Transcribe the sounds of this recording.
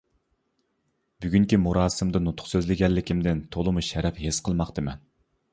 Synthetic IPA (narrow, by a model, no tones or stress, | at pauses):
byɡʲyŋkʲimuɾɑːsɨmd̪ɨnut̪ʰʊ̥χsøzlɪɡʲɛlːɪkʲʰimd̪ɪnt̪ʰolˠɨmuʃɛɾɛphesqʰəlˠmɑqt̪ɨmɛ̰n